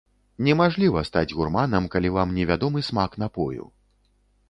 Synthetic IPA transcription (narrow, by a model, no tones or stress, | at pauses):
nʲɛmaʐlʲivɐst̪ad͡zʲɣurmanɐmkalʲivamnʲɛvʲad̪ɔmɨsmakn̪apɔjṵ